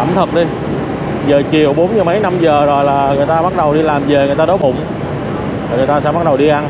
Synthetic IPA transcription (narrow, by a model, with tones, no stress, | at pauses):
a̰ː˧˩mt̪ʰə˨˩k̚ɗi˧ | zəː˨˩t͡ɕi˨˩əwɓo˨˦nɲɨ˧mə˨˦jna˧mzəː˨˩zo˨˩jlaː˨˩ŋɨ˨˩əjt̪aː˧ɓa˦˥t̚ɗə˨˩wɗi˧laː˨˩mze˨˩ŋɨ˨˩əjt̪aː˧ɗɔ˨˦jɓʊ̰˧˨ŋ͡m | taː˨˩ŋɨ˨˩jt̪aː˧sɛ̰˧˥ɓa˦˥ɗə˨˩wɗi˧ʔa˧n